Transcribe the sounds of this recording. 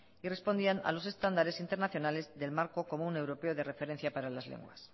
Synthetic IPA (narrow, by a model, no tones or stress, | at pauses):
ire̞spo̞nd̪iana̰lo̞se̞st̪and̪aɾe̞sint̪e̞ɾnaθjo̞nale̞zðe̞lmaɾko̞ko̞mune̞wɾo̞pe̞oðe̞re̞fe̞ɾe̞n̟θjapaɾalazlḛŋɡwa̰s